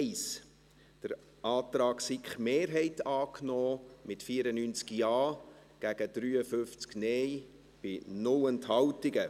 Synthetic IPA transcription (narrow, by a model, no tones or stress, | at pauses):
ɪs | d̥əɾ | ʔɑːtɾɑːksikχmeːɾɦɛɪtɑːkʰnɔːmɪtfiːəɾənyːnt͡skiɑː | ɡ̥æɡəd̥ɾyːəfʏft͡sknɛj | b̥ɪnʊwənthɑwtɪɡə